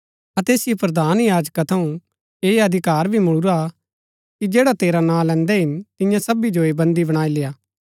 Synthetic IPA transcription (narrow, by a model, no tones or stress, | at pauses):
ɐt̪eːsɪjopɾɐd̪aːnjaːd͡ʒkat̪ʰɐũ | eːɐd̪ʱɪkaːɾbʱimʊɽuɾa | kid͡ʒeːɽat̪eːɾanãːlɛ̃ːnd̪ɛɦɪnt̪ɪ̃jãsɐbid͡ʒoebɐ̃nd̪ibɐɽ̃aːileːaː